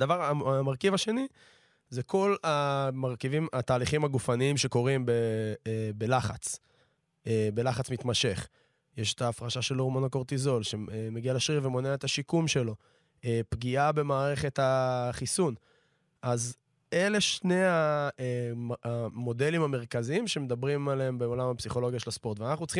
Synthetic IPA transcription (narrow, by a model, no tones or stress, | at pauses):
d̪avaʁamaʁkivaʃe̞ni | zekʰo̞lamaʁkivimat̪aːliχimaɡufaniimʃe̞ko̞ʁimbe | be̞laχat͡s | ebe̞laχat͡smit̪maʃe̞χ | jeʃe̥t̪aːfʁaʃaʃe̞lomonhako̞ʁt̪izo̞lʃe̞meɡialeʃʁiʁve̞mo̞neaet̪aʃikumʃe̞lo̞ | epɡiabe̞maːʁe̞χe̞t̪haχisun | ʔaz | e̞le̞ʃne̞jaeamo̞d̪e̞limame̞ʁkaziimʃe̞med̪abʁimaleembeolamapsiχo̞lo̞ɡjaʃe̞laspo̞ʁt̪veanaχnutt͡sχi